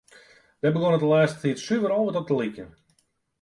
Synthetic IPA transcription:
dɛbəɣonətəlɛːstətitsyvəɾɔlˠʋətɔp̚təlikjən

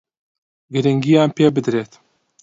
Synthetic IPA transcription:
ɡɨɾɨŋɡijaːnpeːbɨd̪ɾeːt̪

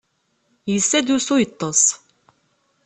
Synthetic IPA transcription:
jəsːæd̪usujət̪ˤːəsˤ

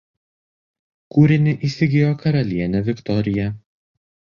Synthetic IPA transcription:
kuːɾʲɪnʲɪʔiːsʲɪɡʲɪjoːkɐɾɐlʲiɛnʲɛʋʲɪkt̪ɔɾʲɪjɛ

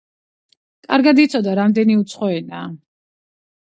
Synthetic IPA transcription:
kʼaɾɡad̪it̪sʰɔd̪aɾamd̪ɛniut̪sʰχɔɛnaː

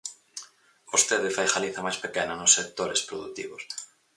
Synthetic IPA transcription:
ost̪eðɪfajxaliθamajspekenanosːek̚t̪oɾespɾoðṵt̪ḭβos

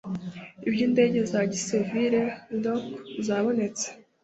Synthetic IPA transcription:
ibjinde̞ːɟe̞zaɟiseviɾe̞nokzaːβo̞ne̞t͡se̥

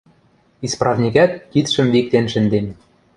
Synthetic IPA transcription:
isprɑvnʲikæt̪̚kit̪ʃɘ̆mvik̚t̪enʃɘ̆nd̪enʲ

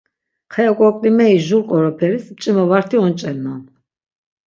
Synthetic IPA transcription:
χʰɛjakʼwɔkʼlimɛiʒulqʼɔɾɔpʰɛɾist͡ʃʼimɔvaɾt̪ʰiɔnt͡ʃʼɛlnan

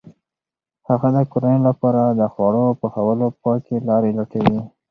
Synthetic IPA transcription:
haɣad̪əkoɾanolapɑɾad̪əxwɑɽopəxawəlopɑkelɑɾelaʈawi

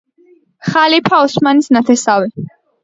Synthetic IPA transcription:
χalipʰaɔsmanisnat̪ʰɛsavi

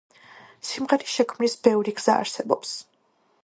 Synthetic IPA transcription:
simʁɛɾiʃɛkʰmnisbɛvɾiɡz̥a̰ːɾsɛbɔps

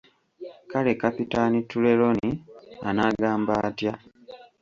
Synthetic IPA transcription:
kale̞kapitanitːule̞lo̞nianaːɡaːmbaːtja

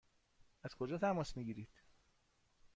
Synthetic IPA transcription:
æz̥kʰo̞d͡ʒɒːt̪ʰæmɒːsmiːɟiːɾiːd̪̥

